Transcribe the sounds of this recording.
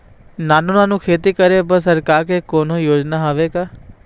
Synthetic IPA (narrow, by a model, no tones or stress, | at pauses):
naːnũːnaːnũːkʰeːt̪iːkəɾeːbəsəɾkaːɾkeːkoːnõːjoːd͡ʒnaːɦaːʋeːkaː